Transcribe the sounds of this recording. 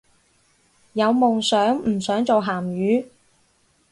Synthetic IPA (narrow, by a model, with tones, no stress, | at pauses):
jɐ˨˧wmʊ˨ŋsœː˨˥ŋm̩˨˩sœː˨˥ŋt͡so˨wɦaː˨˩mjyː˨˧